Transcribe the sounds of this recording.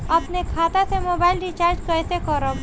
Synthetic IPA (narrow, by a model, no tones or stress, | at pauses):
əpnekʰat̪asemobaːɪlɖit͡ʃaːɾd͡ʒkəjsekəɾəm